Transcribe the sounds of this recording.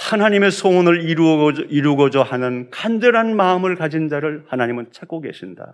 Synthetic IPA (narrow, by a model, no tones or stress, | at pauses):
hanaɲime̞sʰonɯɭiɾiɾuɡʌd͡ʑʌhanɯnkand͡ʑʌɾɦanmaɯmɯɭkad͡ʑind͡ʑaɾɯɭhanaɲimɯnt͡ɕʰak̚k͈oɡe̞̰ɕʰinda̰